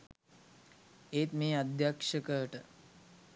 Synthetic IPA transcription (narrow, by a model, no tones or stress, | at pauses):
eːt̪meːad̪ʱjakʂəkəʈə